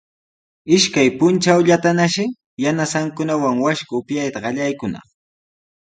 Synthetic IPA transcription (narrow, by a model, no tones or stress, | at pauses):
ɪʃkajpʊnt͡ʃawʎat̪anaʃɪ | janasaŋkʊnawaŋwaʃkʊʊpjajt̪aɢɑʎajkʊnɑ̰χ